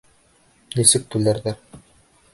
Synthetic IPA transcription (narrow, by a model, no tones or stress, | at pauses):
nĭsɘk̚t̪ʉlæɾðæɾ